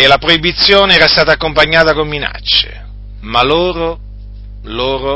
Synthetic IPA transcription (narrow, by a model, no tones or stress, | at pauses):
elapɾoibit̪sːjoːneɛːɾast̪aːt̪aːkːompaɲːaːt̪akomːina̰t͡ʃːḛ | maloːɾo | loːɾo